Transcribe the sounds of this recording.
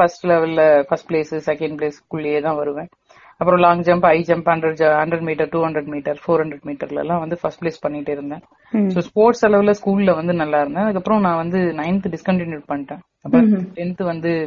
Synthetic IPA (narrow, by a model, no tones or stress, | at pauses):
fɐsʈlɛʋɐlɪlfɐsʈpleːsɯsɛkːɛ̃ɳɖ̚pleːskʊɭːɪjeːt̪ãːʋɐɾɯʋẽː | ɐpːɯɾõlaːŋɡd͡ʒɐmbɐɪd͡ʒɐmbhɐɳɖɾɐɾd͡ʒɐhɐɳɖɾɛɖmiːʈ̬ɐɾʈuːhɐɳɖɾɛɖmiːʈɐɾfoːɾhɐɳɖɾɛɖmiːʈɐɾlɛ̰lːãːʋɐnd̪ɯfɐsʈpleːspɐɳːɪkɪʈːɯɪɾɯnd̪ẽː | soːspoːɾʈsɐlɐʋɪlɐskuːlɪlɐʋɐnd̪ɯnɐlːaːɪɾɯnd̪ẽːɐðɯkːɐpːɯɾɔ̃nãːʋɐnd̪ɯnɐɪnt̪ɯɖɪskɐɳʈɪnjuːɖ̚pɐɳːɪʈːẽː | ɐpːɾɐ̃ʈɛnt̪ɯʋɐnd̪ɯ